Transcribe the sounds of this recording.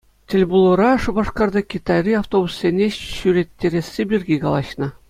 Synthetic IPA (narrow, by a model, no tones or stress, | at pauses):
tʲĕlʲbulˠɤ̆ɾɑʂɤ̆bɑʂkɑrd̪ɑkʲit̪ɑrʲiɑft̪obussʲenʲeɕyɾʲet̪ʲːeɾʲesʲːebʲirʲɡʲikɑlˠɑɕnɤ̆